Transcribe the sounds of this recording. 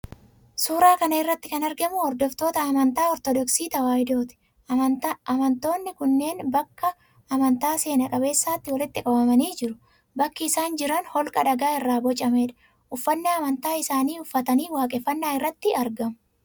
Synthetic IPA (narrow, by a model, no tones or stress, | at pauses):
suːɾaːkɐnɐɪrːɐt̪ːɪkɐnɐɾɡɐmʊɔɾd̪ɔft̪o̞ːt̪ɐːmɐnt̪aːɔɾt̪ɔd̪ɔksiːt̪ɐwaːjd̪o̞ːt̪ɪ̥ | ɐmɐnt̪o̞ːnːɪkʊnːe̞ːnbɐkːɐː | mɐnt̪aːse̞ːnɐkʼɐbe̞ːsːaːt̪ːɪwɐlɪt̪ːɪkʼɐbɐmɐniːd͡ʒɪɾʊ̥ | bɐkːɪːsaːnd͡ʒɪɾɐnhɔlkʼɐᶑɐɡaːɪrːaːbɔt͡ʃʼːɐmeːᶑɐ̥ | ʔʊfːɐnːaːɐmɐnt̪aːɪsaːniːʊfːɐt̪ɐniːwaːkʼɛfːɐnːaːɪrːɐt̪ːɪɐɾɡɐmʊ